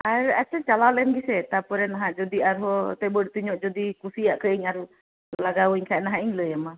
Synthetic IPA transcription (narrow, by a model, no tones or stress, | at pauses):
ʔaɾat͡ʃət͡ʃalalɛnɡisɛt̪apɔɾɛnaɦaʔd͡ʒɔd̪iaɾɦɔt̪ɛbədt̪uɲɔʔd͡ʒɔd̪ikusiaʔkəiɲaɾu | laɡawiɲkʰanaɦaʔiɲləjama